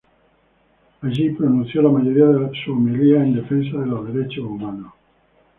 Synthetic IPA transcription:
aʒipɾonũ̟θjolamaʝoɾiaðesuomiliaend̪e̞fens̬aðeloðeɾet͡ʃoumano

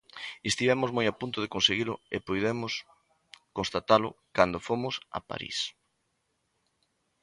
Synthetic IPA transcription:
est̪iβɛmʊzmojapunt̪ʊð̞ekonseɣilʊepojðemʊs | konst̪at̪alʊ̰kand̪ofomʊsa̰pa̰ɾḭs

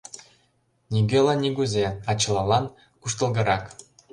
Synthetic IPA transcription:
nʲiɡʲelˠɑnʲiɡuzʲeɑt͡ɕːɤ̆lˠɑlˠɑn | kuʂt̪ɤ̆lˠɡɤ̆ɾɑk

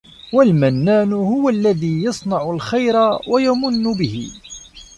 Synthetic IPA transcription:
walmanːaːnʊhʊwalːaðiːjɑsˤnɑʕʊlxajɾawajamʊnːʊbɪhɪ̰

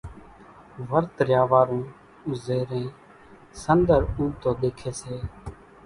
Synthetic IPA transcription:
ʋəɾt̪ɾjaːʋaːɾũː | ʊzeːɾẽː | sənd̪əɾuːt̪oːɗ̪eːkʰeːseː

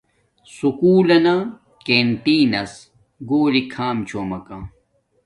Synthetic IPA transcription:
sukuːlɐna | kenʈ̪iːnɐs | ɡoːlikʰaːmt͡ɕʰoːmɐkãː

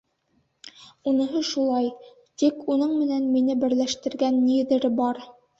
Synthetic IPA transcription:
unɤ̆ɦoʃulˠɑj | t̪ikunɤɴmɘ̆nænminɘbɘ̆ɾlæʃt̪ɘ̆ɾɡænːiɘ̆ðɘ̆ɾɘbɑɾ

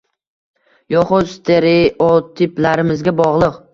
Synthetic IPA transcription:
jɒχʊst̪ʰeɾeot̪ʰɪplaɾɪmɪzɡʲabɒʁlˠɨq

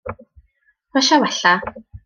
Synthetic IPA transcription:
maʃawaɬaː

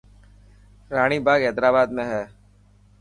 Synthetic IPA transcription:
ɾaːɽ̃iːbaːɡɛːd̪ɾaːbaːd̪mẽːɦɛː

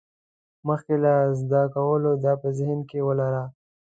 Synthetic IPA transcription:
məxkelazd̪akawəlod̪apəzɪhnkewəlaɾa

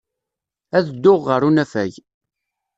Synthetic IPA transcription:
æðd̪ːʊʁːəɾunæfæ̰ʝ

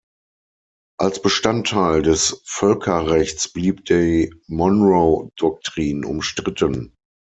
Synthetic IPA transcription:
ʔalsb̥əʃtantʰːaɪldɛsfœlkʰɐʁɛçt͡sb̥liːpd̥eːɐmɔnʁodɔk̚tʁ̥iːnʊ̰mʃtʁ̥ɪtən

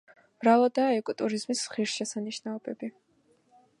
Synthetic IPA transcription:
mɾalˠɔd̪aːɛkʼɔt̪ʼuɾizmisχiɾʃɛsaniʃnaɔbɛbi

